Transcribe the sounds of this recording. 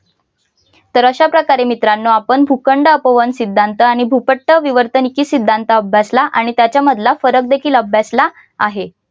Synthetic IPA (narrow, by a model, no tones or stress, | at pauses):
t̪əɾəɕapɾəkaɾemit̪ɾanːoapəɳbʱukəɳɖəəpəʋənsid̪ʱːant̪əaɽ̃ibʱupəʈːəʋiʋəɾt̪ənikiːsid̪ʱːant̪əəbʱjaslaʔaɽ̃it̪jat͡ɕjaməd̪ʱlafəɾək̚d̪ekʰiːləbʱjaslaː | ɦe